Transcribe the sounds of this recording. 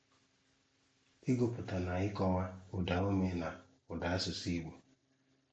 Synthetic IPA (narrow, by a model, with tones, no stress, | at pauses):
ɪ˦ɡo˨pʊ˨ta˨na˨ɪ˦kɔ˦ŋa˦ʊ˨da˨˦o˦me˦na˨ | ʊ˨da˨˦a˦sʊ˨si˦ɡ͡bo˨